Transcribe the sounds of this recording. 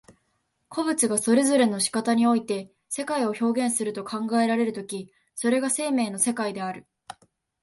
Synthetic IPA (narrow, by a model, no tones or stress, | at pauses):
kʰo̞bɯ̟t͡sɨɡaso̞ɾe̞zo̞ɾe̞no̞ɕi̥kat̪aɲ̟io̞it̪e̞ | se̞kaio̞ço̞ːɡẽ̞ɰ̃sɨɾɯ̟t̪o̞kʰãŋɡae̞ɾaɾe̞ɾɯ̟t̪o̞kʲi | so̞ɾe̞ɡase̞ːme̞ːno̞se̞kaid̪e̞aɾɯ̟